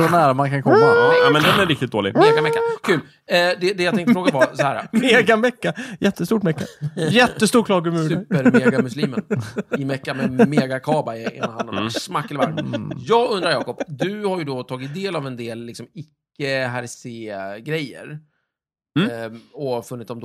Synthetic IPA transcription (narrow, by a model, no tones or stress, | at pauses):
ɔnæːɾamankʰankʰɔmːaɛmɛnd̪ɛnæɾɪk̚t̪ɪt̪̚d̪oːlɪ̰ɡmeːɡamɛkːakʰʉ̟ːl | d̪ɛd̪ɛjat̪ɛ̃ŋt̪fɾoːɡavaɾsɔhæːɾa̰meːɡamɛkːajɛt̪ːəst̪uːʈmɛkːajɛt̪ːəst̪uːɾkʰlɑːɡəmʉːʉpəɾmeːɡamɵsliːmənnɪmɛkːamɛmeːɡakʰɑːbaɪḛnnahaɔmmsmakːɛlɪva̰ɾmjɑːɡɵnd̪ɾaɾjɑ̰ːkɔpd̪ɵhaɾjɵd̪ɔt̪ʰɑːɡɪt̪̚d̪eːlavɛnd̪eːllɪksɔmɪkːəɦaɾɪseːɡɾɛjːə̰ɾ | ɔfɵnːɪt̪ːɔmd̪